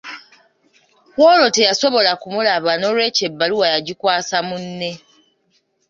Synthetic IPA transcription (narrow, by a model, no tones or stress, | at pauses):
wolo̞tejaso̞βo̞lakumulaβano̞ɾwe̞ce̞bːaluwajaɟikwaːsamunːe